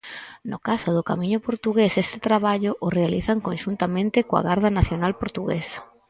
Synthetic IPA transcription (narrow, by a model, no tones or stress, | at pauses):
nʊkasʊðʊkamĩɲʊpoɾt̪uɣesest̪ɪt̪ɾaβ̞aʎʊʔʊrealiθaŋkonʃunt̪amẽnt̪ɪkoa̰ɣaɾðɐnaθjonalpoɾt̪uɣḛsɐ̥